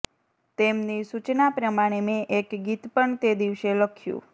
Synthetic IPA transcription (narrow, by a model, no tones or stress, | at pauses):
t̪emnisut͡ʃnapɾəmaɽ̃emẽʔekɡit̪pəɳt̪ed̪iʋʃeləkʰjṵ̃